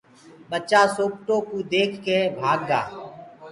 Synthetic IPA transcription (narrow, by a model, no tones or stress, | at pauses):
ɓət͡ʃaːsoːp̚ʈõːkuːd̪eːkʰkeːbʱaːɡ̚ɡa̰ː